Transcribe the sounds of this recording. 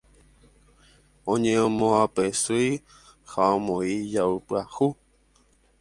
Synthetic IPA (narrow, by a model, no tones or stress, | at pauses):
õɲẽõmõapesɨj | haõmõijaupɨahu